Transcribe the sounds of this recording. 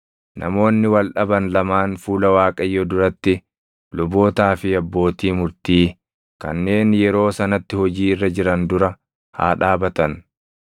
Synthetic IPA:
nʔɐ̰mo̞ːnːɪwɐlᶑɐbɐnlɐmaːnfuːlɐwaːkʼɐjːɔd̪ʊɾɐt̪ːɪ | lʊbo̞ːt̪aːfɪɐbːo̞ːt̪iːmʊɾt̪iː | kɐ̰nːe̞ːnjɛɾo̞ːsɐnɐt̪ːɪhɔd͡ʒiːɪrːɐd͡ʒɪɾɐnd̪ʊɾɐ | ha̰ːᶑaːbɐt̪ɐn

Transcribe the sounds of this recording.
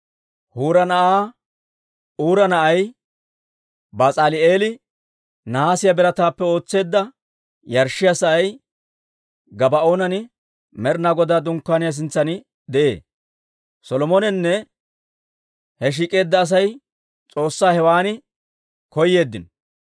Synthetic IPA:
huːɾɐnɐʔaː | uːɾɐnɐʔɐj | bat͡sʼaːlɪʔeːlɪ | nɐaːsɪjɐbɛɾɐt̪aːpːɛo̞ːt͡sːe̞ːd̪ːɐ | jɐɾʃːɪjasɐɐj | ɡɐbɐoːnɐnɪ | mɛɾnaːɡɔd̪aːd̪ʊŋkːaːnɪjas̬ɪnt͡sːɐnɪ | d̪ɛʔḛː | sɔlɔmɔnɛnːɛ | hɛʃ̬iːkʼe̞ːd̪ːɐːs̬ɐj | t͡sʼo̞ːsːaːhɛwaːnɪ | kɔjːe̞ːd̪ːɪn

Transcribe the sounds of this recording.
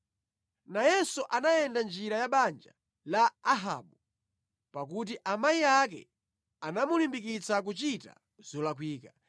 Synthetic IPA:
najɛsuʔanajɛndand͡ʒiɾajaɓand͡ʒa | laːɦa̰ɓu | pakut̬iʔamaiak̬ɛ̰ | anamulimbik̬it͡sak̬ut͡ʃita̰ | zɔlakwiːka

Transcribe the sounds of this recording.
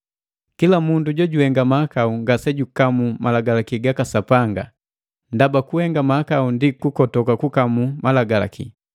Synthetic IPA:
kilamunduɟɔɟuhɛŋɡamaakauŋɡasɛɟukamumalaɡalakiɡakasapaŋɡa̰ | ndabakuɛŋɡamaakaundikukɔtɔkakukamumalaɡala̰kḭ

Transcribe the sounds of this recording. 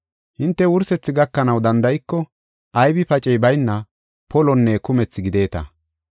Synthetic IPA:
hɪnt̪ːɛwʊɾsɛt͡sːɪɡɐkːɐnɐwd̪ɐnd̪ɐjɪkːɔ | ʔɐjbɪpɐt͡ʃʼɛjbɐjnːɐ | pɔlɔnːekʊmɛt͡sːɪɡɪd̪e̞ːt̪ɐ̰

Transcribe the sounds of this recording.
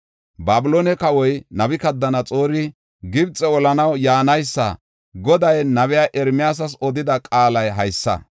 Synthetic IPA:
baːbɪloːnɛkɐwɔjnɐbɪkɐd̪ːɐnɐt͡sʼo̞ːɾɪ | ɡɪbt͡sʼɛɔlɐnɐwjaːnɐjsːɐ̰ | ɡɔd̪ɐjnɐβɛjaːʔɛɾmɪjaːs̬ɐsɔd̪ɪd̪ɐkʼaːlɐjɦɐjsːɐ̰

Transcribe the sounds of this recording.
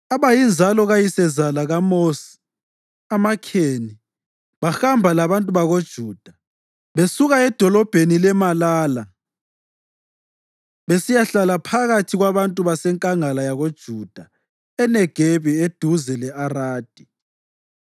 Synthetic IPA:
aβajind͡ʒʱalɔɣajisɛzalaɣamosi̥ | amakʰeːni | βaxambʱalaβantʼuβaɣod̥ʒ̥ʱuːd̥ʱa | βesuɣaɛd̥ʱɔlɔb̥ʱenilɛmalaːla | βesijaɬalapʰaɣatʰiɣwaβantʼuβasɛŋkʼaŋalajaɣod̥ʒ̥ʱud̥ʱa | ɛnɛɡ̥ʱeβied̥ʱuzɛlɛaraːd̥ʱi̥

